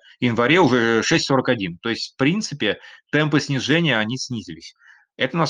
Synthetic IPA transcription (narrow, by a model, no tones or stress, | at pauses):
jɪnvɐɾʲeʊʐɛʂɛsʲtʲso̞ɾəkɐdʲint̪o̞ɪsʲtʲfpɾʲint̪sɨpʲɪt̪ɛmpɨsʲnʲɪʐɛnʲɪjəɐnʲisʲnʲizʲɪlʲɪsʲ | ɛt̪ənɐ